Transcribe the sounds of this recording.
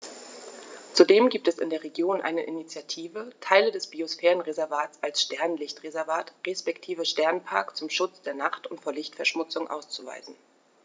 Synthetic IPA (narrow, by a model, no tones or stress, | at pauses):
t͡sudeːmɡiːp̚tɛsɪ̰ndeːɐʁ̞eɡjoːnʔa̰ɪnəʔinit͡sjatʰiːvətʰaɪlədɛsb̥iosfɛːʁənʁezɛɐvaːtt͡salsʃtɛɐnnlɪçtʁ̥ezɛɐvaːtʁespɛktʰiːvəʃtɛɐnpʰa̰ɐkt͡sʊmʃʊt͡sd̥eːɐnaχtʊntfoːɐlɪçtfɛɐʃmʊt͡sʊŋʔa̰ʊst͡suva̰ɪzn̩